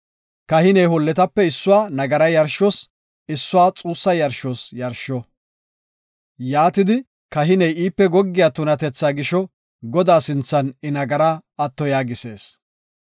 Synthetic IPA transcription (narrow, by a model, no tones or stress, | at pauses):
kɐhɪnɛjhɔlːɛt̪ɐpːɛɪsːʊwaːnɐɡɐɾɐjɐɾʃɔs | ɪsːʊwaːt͡sʼuːsːɐjɐɾʃɔːsjɐɾʃɔ | jaːt̪ɪd̪ɪ | kɐɦɪnɛjiːpːɛɡɔɡːɪjat̪ʊnɐt̪ɛt͡sːaːɡɪʃɔ | ɡɔd̪aːsɪnt͡sːɐnɪnɐɡɐɾaɐt̪ːɔjaːɡɪse̞̰ːs